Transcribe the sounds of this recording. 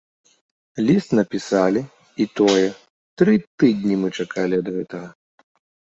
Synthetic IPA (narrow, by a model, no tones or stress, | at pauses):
lʲist̪nɐpʲisalʲi | it̪ɔjɛ | t̪ɾɨt̪ɨd̪ʲnʲimɨt͡ʂakʰalʲiɐd̪ɣɛt̪ɐɣɐ